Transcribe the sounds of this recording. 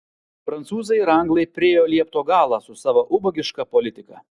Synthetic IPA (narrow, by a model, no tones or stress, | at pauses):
fɾɐnt̪suːzɐɪɾɐŋɡlˠɐɪpʲɾʲɪeːjoːlʲiɛpt̪oːɡɑːlˠɑsʊsɑːʋɐʔʊbɔɡʲɪʃkɑpɔlʲɪt̪ʲɪkɑ̰